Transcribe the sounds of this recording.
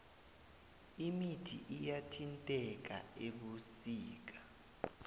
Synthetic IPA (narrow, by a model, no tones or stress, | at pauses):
imitʰḭʔijatʰintʼɛk̬a̰eɓusiːk̬ḁ